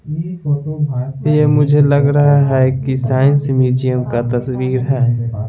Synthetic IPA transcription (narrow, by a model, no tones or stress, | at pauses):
jemʊd͡ʒʱelɐɡɾɐɦaɦɛkisaːɪ̃nsmiːd͡ʒijəmkat̪ɐswiːɾɦɛː